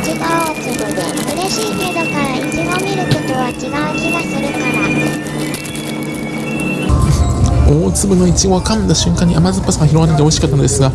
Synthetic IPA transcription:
t͡ɕiɡaːt͡sɨbɯd̪e | ɯ̟ɾe̞ɕiːmed̪okaɾait͡ɕiɡ̪omʲiɾɯ̟kot̪o̞βat͡ɕiɡaɯkʲiɡasɨɾɯ̟kana | oːt͡sɨbɯ̟no̞it͡ɕiɡoakãnd̪aɕɨ̃ŋkãɲ̟ːiʔamazɨpːasɨŋaçiɾo̞ɡanat̪eoɕikat̪ːanod̪esɨɡa

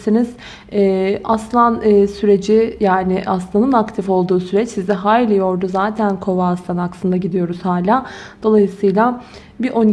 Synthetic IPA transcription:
siniz̥ | ɛʔaslˠanɯːsyɾe̞d͡ʒɪjaːnɪʔaslˠanɯnakt̪ʰifo̞lˠd̪uːsyɾɛt͡ʃsizɛɦaːllʲɛjo̞ɾd̪uzaːt̪ʰænkʰo̞vaːst̪anaksɯnd̪aɟid̪ijo̞ɾuz̥haːlʲaːd̪̥o̞lˠajɯsɯjlˠa | biʔo̞ni

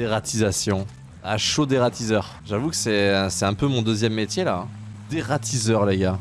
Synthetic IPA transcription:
eʁat̪ʰizasjɔ̃ | aʃod̪eʁat̪izœʁ | ʒavukə̥sɛ̃sɛt̪ɛ̃pømɔ̃d̪øzjɛmːet̪jelãd̪̥eʁat̪izœʁleɡa

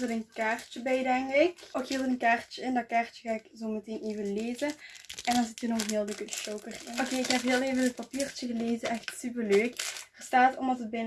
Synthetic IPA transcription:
zəɾənkaːrt͡ʃəbɛjdɛŋkɪkokhiːlˠətənkaːrt͡ʃəɪndɑt̚kaːrt͡ʃə̥ɣaːɪkzoːməteːneːvəleːzəʔɛndɑnzɪtərnɔxɦeːlˠdəkəʃowkərokeːɪkhɛpɦeːlˠeːvədət̚papiːrt͡ʃəɣəleːzəʔɛxtsypərløːkərstaːtɔmdɑtət̚bɛn

